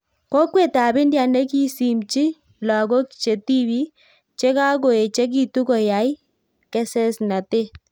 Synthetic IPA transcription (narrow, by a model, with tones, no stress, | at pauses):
ko˦kwe˦˨ta˨βe˦ndja˨ne˦ki˦si˨mt͡ʃi˦ | la˨ɡo˦kt͡ʃe˨ti˦βi˦ | t͡ʃe˦ka˦ɡo˨e˨t͡ʃe˦k̬i˦tu˦kɔ˨ja˨i˦ | kɛ˦sɛ˦sna˨te˦